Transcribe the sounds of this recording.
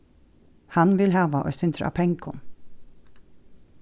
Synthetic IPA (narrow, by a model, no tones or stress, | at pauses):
hɑnʋɪlhɑːʋaʔo̰ːsʏnt̪ʰɾɑ̰pʰɛŋkʰʊn